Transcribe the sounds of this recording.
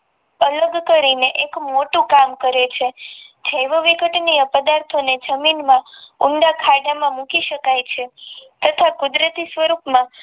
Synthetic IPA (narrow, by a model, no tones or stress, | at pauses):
ələɡkəɾineʔekmoʈũkamkəɾet͡ʃʰed͡ʒʱəjʋəʋiɡʱəʈnijəpəd̪aɾt̪ʰoned͡ʒəminmãuɳɖ̪akʰaɖamãmũkiʃəkajt͡ʃʰet̪ət̪ʰakud̪ɾət̪isʋəɾupmã